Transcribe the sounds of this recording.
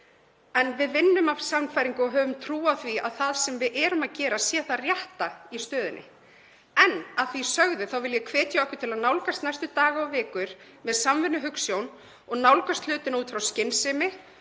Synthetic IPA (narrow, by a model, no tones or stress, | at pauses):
ɛnvɪðvɪnːʏmav̥sanfajɾiŋkʏɔɦœːvʏmt̪ʰɾuːaθvia̰ðθaðsɛmvɪðʔɛːɾʏmaðcɛːɾasjɛːθarjaht̪aist̪œːðɪnʔɪ̰ | ɛnːaðθvisœɣðɪθawvɪljɛkʰvɛːt̪jaɔhkɪt̪ʰɪlaðnawlkast̪najst̪ʏt̪aːɣaɔvɪːkʏɾ̥ | mɛðsamvɪnːʏɦʏksjown | ɔɣnawlkast̪lʏːt̪ɪnauːt̪fɾawscɪnsɪmɪ